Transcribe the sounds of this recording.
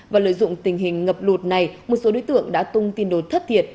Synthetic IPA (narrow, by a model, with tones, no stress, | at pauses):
vaː˨˩lə̰ː˧˨jzʊ̰˧˨ŋ͡mt̪ï˨˩ŋ̟ɦï˨˩ŋ̟ŋə˨˩p̚lu˨˩t̚na˨˩jmo˨˩t̚so˨˦ɗo˨˦jt̪ɨ̰˧˨əŋɗa̰ː˧˥t̪ʊ˧ŋ͡mt̪i˧ənɗo˨˩t̪ʰə˦˥t̚t̪ʰi˨˩ət̚